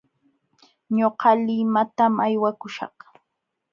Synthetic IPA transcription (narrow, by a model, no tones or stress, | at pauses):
ɲoqɑlɪmat̪amajwakʊʃɑ̰χ